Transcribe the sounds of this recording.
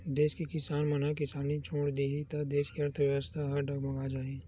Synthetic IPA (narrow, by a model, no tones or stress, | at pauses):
d̪eːʃkikɪsaːnmɐnakɪsaːnit͡ʃʰoːɽd̪iːit̪ɐd̪eːʃkiɐɾt̪ʰəʋjʋəst̪ʰaɦɐɖɐɡmɐɡad͡ʒaːẽː